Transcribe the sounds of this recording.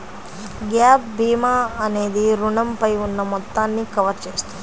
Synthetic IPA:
ɡjaːp̚bʱiːmaːɐneːd̪iɾuɳɐmpɐjʋunːɐmɔt̪ːaːnːikɐʋɐɾt͡ʃeːst̪u

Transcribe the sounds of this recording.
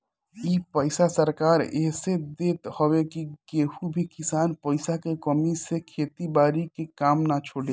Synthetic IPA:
iːpəɪsasəɾkaːɾḛːsed̪eːt̪hɔwekikeːhubʱikɪsaːnpəɪsakekɔmisekʰeːt̪ibaːɾikekaːmnat͡ʃʰoːɽe

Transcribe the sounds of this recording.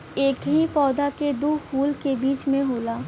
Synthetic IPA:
eːkɦipɔːd̪aked̪uːkʰuːlkebiːt͡ʃmẽɦoːlaː

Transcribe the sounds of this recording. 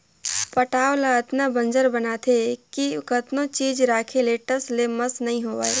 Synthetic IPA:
pəʈaːwlaːt̪nabə̃nd͡ʒəɾbɐnaːt̪ʰekikʰət̪nõt͡ʃiːd͡ʒɾaːkʰeleːʈəsleməsnɐɦĩɦoːʋa̰ːe

